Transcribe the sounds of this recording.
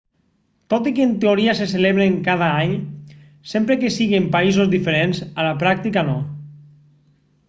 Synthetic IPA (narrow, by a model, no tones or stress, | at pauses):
t̪ot̪ikent̪eoɾiaseseleβɾeŋkað̞aaɲ | sempɾekesiɣempaizozðifeɾenzalapɾak̚t̪ikanɔ